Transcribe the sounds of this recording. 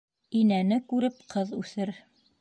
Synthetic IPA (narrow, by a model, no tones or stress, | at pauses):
inænɘkʉɾɘp̚qɤðʉθɘɾ